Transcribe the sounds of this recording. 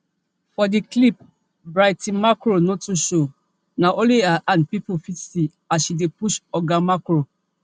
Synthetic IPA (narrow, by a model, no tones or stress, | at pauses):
fɔdiklip̚ | bɾaɪtĩnmakɾonɔ̃tuʃo | nãʔõliaʔãnpipofitsi | asʃidepuʃɔɡamakɾo